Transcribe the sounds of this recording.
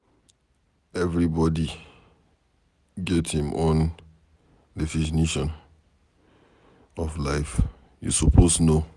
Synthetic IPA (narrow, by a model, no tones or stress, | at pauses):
ɛvɹibɔdi | ɡɛthĩmʔɔ̃n | defid͡ʒiniʃɔ̃n | ɔflaɪf | jṵsɔpʰosno